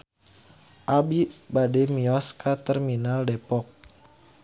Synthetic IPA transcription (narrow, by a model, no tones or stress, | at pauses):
ʔabibadɛmiɔskat̪ɛrminaldɛpɔk̚